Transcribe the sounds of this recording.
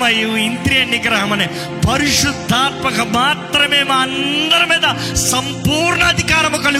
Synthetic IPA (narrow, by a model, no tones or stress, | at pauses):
mɐjiʋint̪ɾijɐnjikɐɾaːɦɐmɐne | pɐɾiʂud̪ʱːaːt̪̚mɐkʰɐmaːt̪ɾɐmeːmaːnd̪ɐɾɐmed̪ɐ | sɐmpuːɾɳɐːd̪ʱikaːɾɐmɐkɐɭi